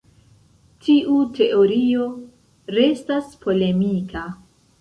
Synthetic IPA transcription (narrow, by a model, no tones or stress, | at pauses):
tʰiʔutʰe̞ʔo̞ɾio̞ | ɾe̞staspʰo̞le̞mikʰa